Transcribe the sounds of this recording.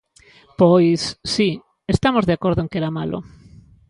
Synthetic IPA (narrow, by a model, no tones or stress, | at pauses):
pojsːi | est̪amozðeakwe̞ɾðoeŋkeɾamalʔo̰